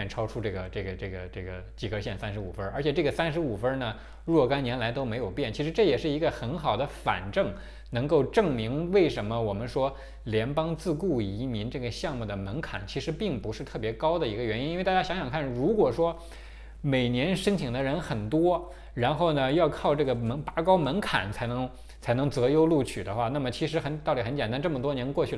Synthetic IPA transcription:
nʈ͡ʂʰɑ˥ʊʈ͡ʂʰu˥ʈ͡ʂɤ˥˩ɡə˩ʈ͡ʂɤ˥˩ɡə˩ʈ͡ʂɤ˥˩ɡə˩ʈ͡ʂɤ˥˩ɡə˩t͡ɕi˨˩ɡə˧˥ɕjɛ˥˩nsa˥nʂɻ̩˧˥ṵ˨˩fə˥ə˞˧˥t͡ɕʰjɛ˨˩ʈ͡ʂɤ˥˩ɡə˩sa˥nʂɻ̩˧˥u˨˩fə˥nə˨ | ɻwɔ˥˩ka˥nnjɛ˧˥nla˧˥ɪt̪o˥ʊme˧˥ɪjo˨˩ʊpjɛ˥˩nt͡ɕʰi˧˥ʂɻ̩˧˥ʈ͡ʂɤ˥˩jɛ˨˩ʂɻ̩˥˩i˧˥ɡə˧xə˧˥nxɑ˨˩ʊd̪ə˦fa̰˨˩nʈ͡ʂɤ˥˩ŋ | nɤ˧˥ŋko˥˧ʊʈ͡ʂɤ˥˩ŋmi˧˥ŋwe˥˩ɪʂə˧˥nmə˧wɔ˨˩mə˦nʂwɔ˥ | ljɛ˧˥npɑ˥ŋt͡sɹ̩˥˧ku˥˩i˧˥mi˧˥nʈ͡ʂɤ˥˩ɡə˩ɕjɑ˥˧ŋmu˥˩d̪ə˩mə˧˥nkʰa̰˨˩˦nt͡ɕʰi˧˥ʂɻ̩˧˥pi˥˩ŋpu˧˥ʂɻ̩˥˧t̪ʰɤ˥˩pjɛ˧˥kɑ˥ʊd̪ə˨i˧˥ɡə˧ɥɛ˧˥ni˥ni˥˧a˥˩ja˥ɕjɑ˧˥ŋɕjɑ˨˩ŋkʰa˥˩nɻu˧˥kwɔ˨˩ʂwɔ˥ | me˨˩ɪnjɛ˧˥nʂə˥ŋt͡ɕʰi˨˩ŋd̪ə˦ɻə˧˥nxə˨˩nt̪wɔ˥ | ɻa˧˥nxo˥˩ʊnə˩jɑ˥˧ʊkʰɑ˥˧ʊʈ͡ʂɤ˥˩ɡə˩mə˧˥ŋpa˧˥kɑ˥ʊmə˧˥nkʰa̰˨˩˦nt͡sʰa˧˥ɪnɤ˧˥ŋ | t͡sʰa˧˥ɪnɤ˧˥ŋt͡sɤ˧˥jo˥ʊlu˥˩t͡ɕʰy̰˨˩d̪ə˦xwa˥˧na˥˩mə˩t͡ɕʰi˧˥ʂ̬ɻ̩˧˥xə˧˥nt̪ɑ˥˩ʊt̪i˩xə˧˥nt͡ɕjɛ˨˩nt̪a˥nʈ͡ʂɤ˥˩mə˩t̪wɔ˥njɛ˧˥nkwɔ˥˧t͡ɕʰy˥˩

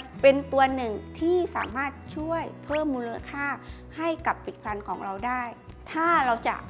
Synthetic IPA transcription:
pe˧nt̪u˧ɐnɯ˨˩ŋt̪ʰiː˥˩sa̰ː˩˦maː˥˩t̪̚t͡ɕʰu˥˩əjpʰɤː˥˩mːuː˧la˧kʰaː˥˩ | ha˥˩jka˨˩pʰːi˨˩t̪̚pʰɾa˧nkʰɔː˩˦ŋɾa˧wdaː˥˩j | t̪ʰaː˥˩ɾa˧wt͡ɕa̰˨˩ʔ

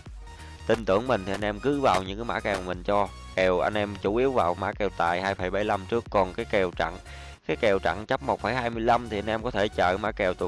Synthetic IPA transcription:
t̪ï˧˨˩nt̪ɨ˧˩əŋmï˨˩ŋ̟t̪ʰi˨ʔa˧jnʔɛ˧mkɨ˨˦vaː˨˩wɲɨ̰˧˥ŋkaː˨˦ma̰ː˧˥kɛ˨˩wmï˨˩ŋ̟t͡ɕɔ˧ | kɛ˨˩wʔa˧jŋ̟ʔɛ˧mt͡ɕu˧˦ʔi˧˦əwvaː˨˩wma̰ː˧˥kɛ˨˩wt̪a̰ː˨˩jhaː˧jfə˨˩˦jɓə˧˩˦jla˧mt͡ɕɨ˦˥əkːɔ˨˩nkaː˨˦jkɛ˨˩wt͡ɕa̰˧˨ŋ | kaː˨˦jkɛ˨˩wt͡ɕa̰˧˨ŋt͡ɕə˦˥p̚mo˨˩t̚fə˧˦jɦaː˧jmɨ˧əjla˧mt̪ʰi˨˩a˧jnʔɛ˧mkɔ˨˦t̪ʰe˧˩t͡ɕə̰ː˧˨ma̰ː˧˥kɛ˨˩wt̪ṵ˧˨

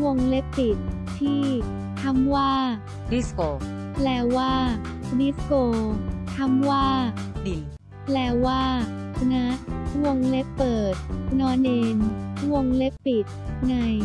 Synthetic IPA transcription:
wo˧ŋle˦˥pːi˨˩t̪̚ʰːiː˥˩ | t̪ʰa˧˥˩mwaː˥˩ | di˦˥skoː˧ | lɛː˧˥waː˥˩ | di˦˥skoː˧t̪ʰa˦˥˩mwaː˥˩di˨˩ | lɛː˦˥waː˥˩ | na˦˥ʔwo˧ŋle˦˥pːɤː˨˩t̪̚nɔː˦˧˥neː˧nwo˧ŋle˦˥pːi˨˩t̪̚ŋa˧j

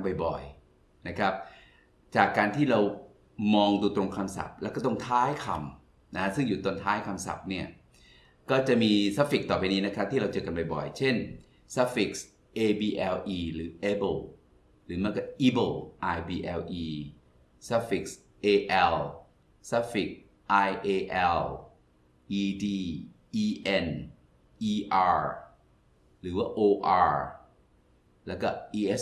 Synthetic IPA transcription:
nba˨˩jbɔ̰˨˩j | na˦˥kʰɾa˦˥p̚ | t͡ɕaː˨˩kːaː˧nt̪ʰiː˥˩ɾa˧w | mɔː˧ŋduː˧t̪ɾo˧ŋkʰa˧msa̰˨˩p̚lɛ˦˥wkɔː˥˩t̪ɔ˥˩ŋt̪ʰaː˦˥jkʰa̰˧m | na˦˥ka˦˥sɯ˥˩ŋjuː˨˩t̪o˧nt̪ʰaː˦˥jkʰa˧msa̰˨˩p̚ni˥˩ɐ | kɔː˥˩t͡ɕa˨˩miː˧sa˦˥fi˨˩k̚t̪ɔː˨˩pa˧jniː˦˥na˦˥kʰa˦˥p̚t̪ʰiː˥ɾa˧wt͡ɕɤː˨˩ka˧npa˨˩jbɔ̰˨˩jt͡ɕʰe˥˩n | sa˦˥fi˨˩k̚s | ʔeː˧biː˧ʔɛ˧wʔiː˧ɾɯː˩˦ʔe˦˥bɤ˧˩w | ɾɯː˩˦mɯ˥˩ɐka˧˩ʔiː˦be˧˩lʔaː˧jbiː˧ʔɛ˧lʔiː˧ | sa˦˥fi˨˩k̚s | ʔeː˧ʔɛ˧l | sa˦˥fi˨˩k̚ | ʔa˧jʔeː˧ʔɛ˧l | ʔiː˧diː˧ | ʔiː˧ʔe˧n | ʔiː˧ʔaː˧ɹ | ɾɯː˩˦waː˥˩ʔoː˧ʔaː˧ɹ | lɛː˦˥wkɔ˥˩ʔiː˧ʔe˦˥s

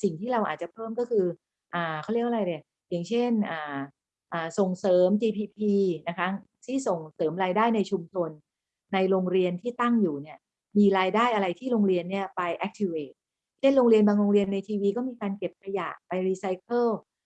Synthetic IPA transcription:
si˨˩ŋt̪ʰiː˥˩ɾa˧wʔa̰ː˨˩t͡ɕa˨˩pʰɤː˥˩mkɔː˥˩kʰɯː˧ | ʔaː˨˩kʰɾi˥˩əʔ̚a˧a˧jlɯ˧˩ | ja˨˩ŋt͡ɕʰe˥˩nʔaː˨˩ | ʔaː˨˩so˨˩ŋsɤː˩˦mt͡ɕiː˧pʰiː˧pʰiː˧na˦˥kʰa˦˥ | sʰiː˥˩so˨˩ŋsɤː˩˦mɾaː˧jdaː˥˩jna˧jt͡ɕʰu˧mt͡ɕʰo˧nː | a˧jɾoː˧ŋɾi˧ənt̪ʰiː˥˩t̪a˥˩ŋjuː˨˩ni˦˥˩ɐ | miː˧ɾaː˧jdaː˥˩jʔa˧ɾa˧jt̪ʰiː˥˩ɾoː˧ŋɾi˧ənːi˥˩ɐpa˧jʔɛ˦˥k̚t̪ʰi˧weː˨˩t̪̚ | t͡ɕʰe˥˩nɾoː˧ŋɾi˧ənbaː˧ŋɾoː˧ŋɾi˧ənːa˧jt̪ʰiː˧wiː˧kɔː˥˩miː˧kaː˧nke˨˩p̚kʰa˧ja̰˨˩pa˧jɾiː˧sa˧jkʰɤ˥˩l

